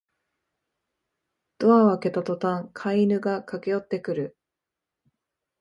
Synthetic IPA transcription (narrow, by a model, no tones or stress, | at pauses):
d̪̥o̞aβake̞t̪at̪o̞t̪ãŋkʰainɯ̟ɡakake̞jo̞t̪ːe̞kɯ̟ɾɯ̟